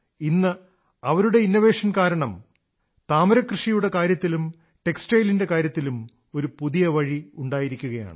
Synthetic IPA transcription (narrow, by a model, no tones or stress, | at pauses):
inːɨ | ɐʋɐɾuɽe̞inːoʋe̞ːʂɐnkaːɾɐɳɐm | t̪aːmɐɾɐkrɨʂijuɽe̞kaːɾjɐt̪ːilum | ʈe̞ksʈeːjlinde̞kaːɾjɐt̪ːilum | o̞ɾupuðijɐʋɐɻiuɳɖaːjiɾikʲːuɣɐja̰ːɳɨ